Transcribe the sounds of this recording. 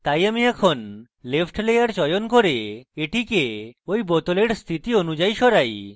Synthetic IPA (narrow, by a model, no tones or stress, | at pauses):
t̪ajamiɛkʰon | lepʰʈlejaɾd͡ʑɔjonkoɾeeʈikeojbɔt̪oleɾst̪ʰit̪ionud͡ʑajʃɔɾaj